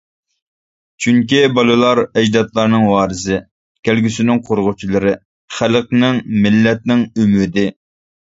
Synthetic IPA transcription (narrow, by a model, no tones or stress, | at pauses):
t͡ʃʰyŋkʲibɑlˠɨlˠɑɾɛd͡ʒd̪ɑt̪lˠɑɾnɨŋwɑːɾɨzɨ | kʲʰælɡʲysɪnɪŋqʰoɾʁʊt͡ʃʰilˠɨɾɨ | χælq̚nɪŋmɪlːɛt̪̚nɪŋymɪd̪ɪ